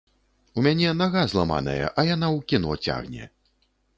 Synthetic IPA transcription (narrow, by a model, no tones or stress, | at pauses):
umʲanʲɛnaɣazlˠama̰nɐ̰jɐ̰ʔɐjanawkʲinɔ̰t͡sʲa̰ɣnʲɛ̰